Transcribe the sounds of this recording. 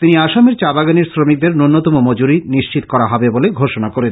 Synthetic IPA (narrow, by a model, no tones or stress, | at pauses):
t̪iniaʃameɾt͡ɕabaɡaneɾsɾomik̚d̪eɾnunːot̪omomod͡ʑuɾiniʃt͡ɕit̪kɔɾaɦɔbeboleɡʱoʃonakoɾen